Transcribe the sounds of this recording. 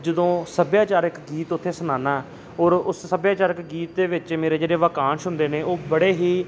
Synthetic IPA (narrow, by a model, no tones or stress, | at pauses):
d͡ʒəd̪õːsəbjaːt͡ʃaːɾɪkɡiːt̪ʊt̪ʰːeːsənãːnaː | ɔːɾʊssəbjaːt͡ʃaːɾəkɡiːt̪̚d̪eːʋɪt͡ʃmeːɾeːd͡ʒeːɽeːʋəkaːnʃʊnd̪eːneːoːbəɽeːɦiː